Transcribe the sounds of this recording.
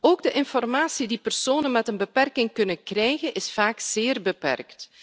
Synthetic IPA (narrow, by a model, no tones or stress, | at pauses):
oːɡ̚dəʔɪnfɔrmaːsidipərsoːnənmɛtənbəpɛrkɪŋkɵnənkrɛjɣənʔɪsfaːkz̥ɪːrbəpɛ̰rkt